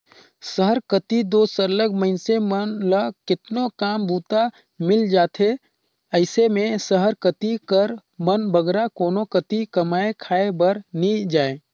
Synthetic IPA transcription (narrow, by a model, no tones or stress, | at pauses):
səɦəɾkət̪id̪oːsəɾləɡməɦɪnsemənlakɪt̪nokaːmbuːt̪a | mɪld͡ʒaːt̪ʰe | əɪsemẽsəɦəɾkət̪ikəɾmənbʱəɡɾakoːnokət̪ikɐmaːekʰaːebəɾnid͡ʒaːe